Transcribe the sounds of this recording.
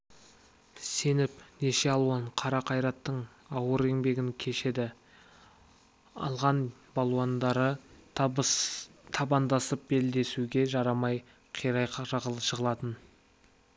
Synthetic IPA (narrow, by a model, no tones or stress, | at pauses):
se̞nɪpne̞ʃe̞ɑlˠuɑɴqʰɑɾɑqʰɑjɾɑt̪ːəɴ | ɑwəɾe̞ŋbe̞ɡʲɪŋkʲʰe̞ʃe̞d̪ɪ | ɑ̰lˠʁɑnbɑlˠuand̪ɑɾə | t̪ʰɑbɑnd̪ɑsəp̚be̞ld̪e̞suɡʲe̞ʒɑɾɑmɑj | qʰijɾɑjqɑʁəlˠəʃəʁəlˠɑt̪ən